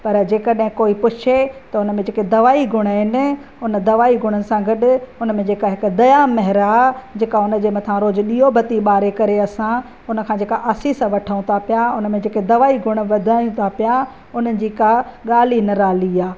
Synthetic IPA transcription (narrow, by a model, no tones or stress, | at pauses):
pɐɾd͡ʑeːkəɗɦɪ̃koːipʊt͡ʃʰet̪ɐʊnə̆mẽd͡ʑeːked̪ɐʋaːiɡʱʊɽ̃əɦɪnɪ̆ | ʊnə̆d̪ɐʋaːiɡʱʊɽ̃ənɪ̆sãɡɐɗʊ̆ʊnəmẽd͡ʑeːkaɦɪkʊd̪ɐjamɐɦɪɾad͡ʑeːkaʊnə̆d͡ʑeːmɐt̪ʰãɾoːd͡ʑɗiːɦobʱɐt̪iɓaːɾekɐɾeɐsã | ʊnə̆kʰãːd͡ʑeːkaʔaːsiːsʋɐʈʰəʊ̃t̪ʰapijaʊnə̆mẽd͡ʑeːked̪ɐʋaːiɡʱʊɽ̃ʋɐd̪ʱaːjũt̪ʰapija | ʊnəɪ̆d͡ʑiːkaɠaːlinɐɾaːliaː